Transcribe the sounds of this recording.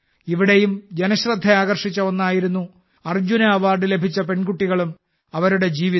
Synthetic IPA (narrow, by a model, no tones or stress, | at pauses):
iʋiɽe̞jumd͡ʑenɐɕrɐd̪ʱːɐaːɣɐrʂit͡ɕːɐonːaːjiɾunːu | ɐrd͡ʑunɐːʋaːrɖɨle̞bʱit͡ɕːɐpe̞nɡuʈːiɣɐɭum | ɐʋɐɾuɽe̞d͡ʑiːʋi